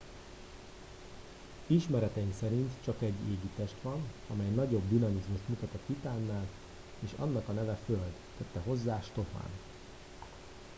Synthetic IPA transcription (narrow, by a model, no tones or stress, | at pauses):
iʃmɛɾɛt̪ɛimksɛɾint̪t͡ʃɒkɛɟːeːɡit̪ɛʃt̪ʋɒnɒmɛjnɒɟo̞bd̪inɒmizmuʃt̪mut̪ɒt̪ɒit̪aːnːaːl | eːʃɒ̰nːɒkɒnɛvɛføld̪t̪ɛt̪ːɛɦo̞zːaːʃt̪o̞fa̰ːn